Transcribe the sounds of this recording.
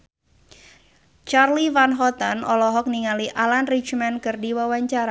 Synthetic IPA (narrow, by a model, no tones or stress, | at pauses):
t͡ʃarliwanɦɔt̪anɔlɔɦɔk̚niŋaliʔalanrit͡ʃmɛnkɨrdiwawaɲt͡ʃaɾa